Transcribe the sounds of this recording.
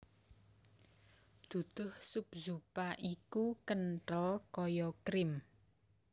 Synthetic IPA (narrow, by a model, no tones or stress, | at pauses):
d̪̥ṳd̪̥ʊ̤hsupzupaʔikukənʈəlkɔjɔkɾɪm